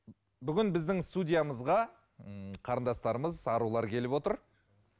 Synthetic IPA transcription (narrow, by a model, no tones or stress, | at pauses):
bʏɡʲɪnbɪzd̪ɪŋst̪udʲijaməzʁɑ | qʰɑɾənd̪ɑst̪ɑɾəməzɑɾulˠɑɾkʲʰe̞lɪpwo̞t̪əɾ